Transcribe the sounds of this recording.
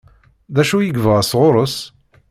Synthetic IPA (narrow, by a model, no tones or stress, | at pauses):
ðæʃujəɡvəʁsʁʊɾˤəs